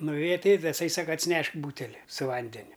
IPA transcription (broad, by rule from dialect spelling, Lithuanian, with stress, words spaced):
nʊˈʋʲeːjɛ tɐɪ ɪ tɐˈsɐɪ ˈsɑːkɐ ɐtʲsʲɪˈnʲɛʃk ˈbuːtʲɛlʲɪ sʊ ˈʋɐnʲdʲɛnʲʊ